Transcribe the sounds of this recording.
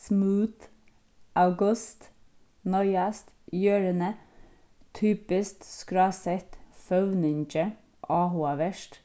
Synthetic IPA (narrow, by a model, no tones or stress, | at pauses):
smʉːt̪ | ʔɑʉɡʉst̪ | nɔʏɑst̪ | jøːɹənə | t̪ʰyːpɪst̪skɾɑːsɛt̪fœʋnɪnt͡ʃə | ʔɑːhuɑʋəʃʈ